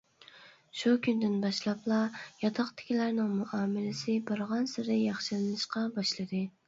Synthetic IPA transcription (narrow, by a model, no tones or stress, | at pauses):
ʃukʲʰynd̪ɪnbɑʃlˠɑplˠɑjɑt̪ʰɑqt̪ʰɪ̥kʲilæɾnɪŋmuʔɑːmɪlɪsɪbɑɾʁɑnsɪɾɪjɑχʃɪlɪnɨʃqɑbɑʃlˠɨd̪ɨ